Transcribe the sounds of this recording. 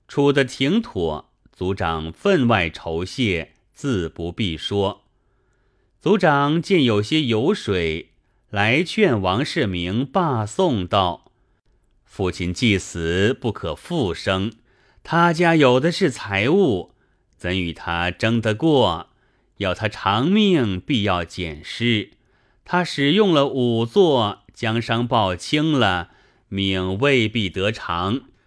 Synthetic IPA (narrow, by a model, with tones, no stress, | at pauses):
ʈ͡ʂʰu˨˩d̪ə˦t̪ʰi˧˥ŋt̪ʰɔ˨˩˦ | t͡su˧˥ʈ͡ʂɑ˨˩ŋfə˥˧nwa˥˩ɪʈ͡ʂʰo˧˥ʊɕjɛ˥˩ | t͡sɹ̩˥˩pu˧˥pi˥˩ʂwɔ˥ | t͡su˧˥ʈ͡ʂɑ˨˩ŋt͡ɕɛ˥˩njo˨˩ʊɕjɛ˥jo˧˥ʊʂwe˨˩ɪ | la˧˥ɪt͡ɕʰɥɛ˥˩nwɑ˧˥ŋʂɻ̩˥˩mi˧˥ŋpa˥˧sʊ˥˧ŋt̪ɑ˥˩ʊ | fu˥˩t͡ɕʰi˥˧nt͡ɕi˥˩sɹ̩˧˥pu˥˩kʰɤ˨˩fu˥˩ʂɤ˥ŋ | t̪ʰa˥t͡ɕja˥jo˨˩ʊd̪ə˦ʂɻ̩˥˩t͡sʰa˧˥ɪu˥˩ | t͡sə˧˥ny˨˩t̪ʰa˥ʈ͡ʂɤ˥ŋd̪ə˧kwɔ˥˩ | jɑ˥˩ʊt̪ʰa˥ʈ͡ʂʰɑ˧˥ŋmi˥˩ŋpi˥˧jɑ˥˩ʊt͡ɕjɛ˨˩nʂɻ̩˥˩ | t̪ʰa˥ʂɻ̩˨˩jʊ˥˩ŋlə˨ʔu˨˩t͡swɔ˥˩ | t͡ɕjɑ˥ŋʂɑ˥ŋpɑ˥˩ʊt͡ɕʰi˥ŋlə˨ | mi˨˩ŋwe˥˧ɪpi˥˩t̪ɤ˧˥ʈ͡ʂʰɑ˧˥ŋ